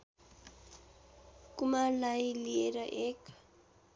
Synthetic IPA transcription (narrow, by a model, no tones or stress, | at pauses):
kumalajlieɾʌʔek